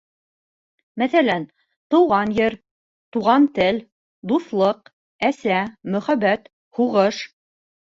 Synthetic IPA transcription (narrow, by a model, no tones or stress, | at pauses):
mæθælæn | t̪ɤ̆wʁɑnjɘɾ | t̪uʁɑnt̪ɘl | d̪uθlˠɤq | æsæmɵ̆χæβæt̪ | huʁɤʃ